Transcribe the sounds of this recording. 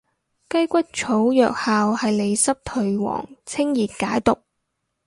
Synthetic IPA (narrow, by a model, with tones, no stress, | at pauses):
kɐ˥jkʷɐ˥k̚t͡ʃʰo˨˥wjœː˨k̚haː˨whɐ˨jle˨˧jsɐ˥p̚t̪ʰɵ˨ɥwɔ̰ː˨˩ŋt͡sʰɪ˥ŋjiː˨t̚kaː˨˥jt̪ʊ˨k̚